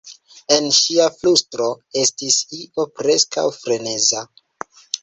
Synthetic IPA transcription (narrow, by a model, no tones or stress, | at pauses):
e̞nʃiaflustɾo̞e̞stisiʔo̞pɾe̞ska̰wfɾe̞ne̞za